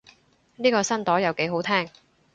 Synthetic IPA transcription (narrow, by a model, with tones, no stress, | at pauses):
niː˥kɔː˧sɐ˥nt̪ɔː˨˥jɐ˨˩wke˨˥ɦo˨˥wt̪ʰɛː˥ŋ